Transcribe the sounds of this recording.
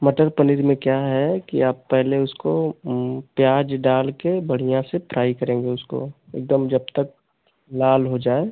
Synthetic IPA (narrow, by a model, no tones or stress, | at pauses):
mɐʈəɾpɐniɾmẽkjaːɦɛkiaːpːɛɦleʊsko | pjaːd͡ʒɖaːlkebɐɽ̤ijãsepɾaːikɐɾẽːŋɡeʊsko̰ḛːk̚d̪əmd͡ʒɐb̚t̪ək̚ | laːlɦod͡ʒaːeː